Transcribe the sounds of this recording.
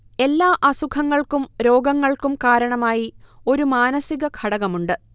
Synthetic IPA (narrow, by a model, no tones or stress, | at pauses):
e̞lːaːʔɐsukʰɐŋːɐɭkumɾo̞ːɡɐŋːɐɭkumkaːɾɐɳɐmaːjio̞ɾumaːnɐsiɣɐkʰɐɽɐɣɐmuɳɖɨ